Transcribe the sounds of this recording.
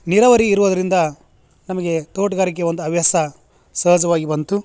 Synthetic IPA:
niɾɐʋɐɾiːɾuʋud̪ɐɾind̪ɐ | nɐmɐɡe̞t̪oːʈɐɡaːɾik̬eʋond̪uɐʋjɐsɐ | sɐːd͡ʒɐʋaːɡibɐnt̪u

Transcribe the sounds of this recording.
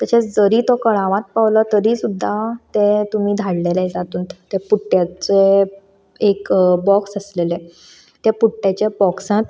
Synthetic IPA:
t̪əɕed͡zəɾiːt̪ɔkəɭãʋãt̪̚paʋlət̪əɾisud̪ʱːat̪et̪um̤iːd̪ʱaɽleled͡zat̪uːnt̪t̪epuʈːjat͡se | ekbɔksəslele | t̪epuʈːjat͡ɕebɔksãt̪

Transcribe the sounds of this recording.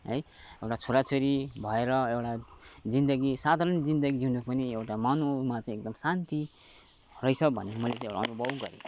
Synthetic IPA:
ɦʌ̰j | ewʈat͡sʰuɾat͡sʰoɾibʱʌeɾʌewʈad͡zind̪ʌɡisad̪ʱaɾʌnd͡zind̪ʌɡid͡zinupʌniewʈamanumat͡sãĩek̚d̪ʌmsant̪i | rʌjt͡sʰʌbʱʌ̰nemʌlet͡sãĩewʈa̰ʌnubʱʌbɡʌ̰ɾḭ

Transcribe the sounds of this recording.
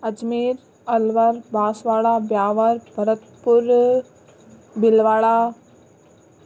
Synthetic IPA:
ɐd͡ʒmiːɾ | ɐlʋəɾbaːsʋaːɭabjaːʋəɾbʱɐɾət̪pʊɾ | bɪlʋaːɭa

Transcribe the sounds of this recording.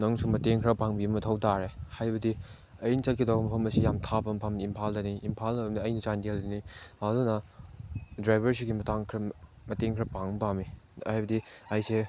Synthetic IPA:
nɐŋsumɐteŋkʰɾɐpaŋbibɐmɐtʰɐwtaɾehajbɐdi | ɐjnit͡ʃɐt̚kʰidawbɐmɐpʰɐmɐsijamtʰabɐmɐpʰɐmimpʰaldɐniʔimpʰaldɐbmniɐjnɐt͡ʃandeldɐniɐdunɐ | dɾajbɐɾs̬iɡimɐtaŋkʰɾɐ | mɐteŋkʰɾɐpaŋpaŋmiajbɐdiɐjse

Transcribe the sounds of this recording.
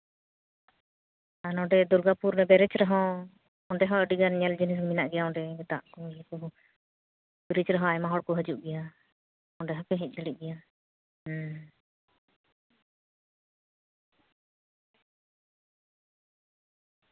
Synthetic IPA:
anɔ̃ɖɛd̪uɾɡapuɾnɛbɛɾɛt͡ʃɾɛɦɔ̃ | ɔɳɖɛɦɔ̃əɖiɡanɲɛld͡ʒinis̬minaʔɡɛjaɔ̃ɳɖɛt̪a̰ʔkɔɛkɔɦ | biɾit͡ʃɾɛɦɔ̃ajmaɦɔɽkɔɦəd͡ʒuʔɡɛja | ɔ̃ɖɛɦɔpɛɦɛc̚ˀd͡ʒəɽit̪̚ˀɡɛja

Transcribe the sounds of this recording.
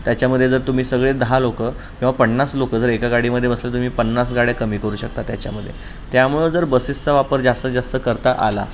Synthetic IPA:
t̪jat͡ɕjaməd̪ʱːjed͡zəɾt̪um̤iːsəɡɭed̪əɦalokə | kĩw̃ʋapəɳːaslokəd͡zəɾekaɡaɽiːməd̪ʱːjebəslat̪̬um̤iːpənːas̬ɡaɽjakəmiːkəɾuːɕək̚t̪at̪jat͡ɕja̰məd̪ʱːjḛ | t̪jamuɭund͡zəɾbəsistəʋapəɾd͡zast̪əd͡zast̪əkəɾt̪aʔa̰la̰

